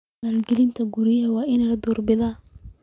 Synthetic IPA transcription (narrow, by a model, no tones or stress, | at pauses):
alɡɛlɪnt̪ʰɐɡuɾɪjɐwɑːʔɪnɛlɐd̪uːrbɪðaː